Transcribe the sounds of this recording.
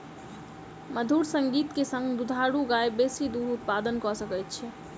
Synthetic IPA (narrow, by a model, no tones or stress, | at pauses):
məd̪ʱuɽsəŋɡit̪kesə̃ŋɡd̪ud̪ʱaɽuɡajbesid̪uɦut̪̚pad̪ənkɔsəkɛjt̪̚t͡ʃʰɛ